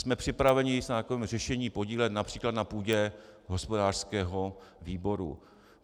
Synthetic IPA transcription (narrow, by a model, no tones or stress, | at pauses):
smɛpr̝̥ɪpɾavɛɲɪsat̪ːakovɛːmr̝ɛʃɛɲiːpo̞ɟiːlɛt̪napr̥iːklat̪napuːɟɛɦospodaːr̥skɛːɦoviːbo̞ɾṵ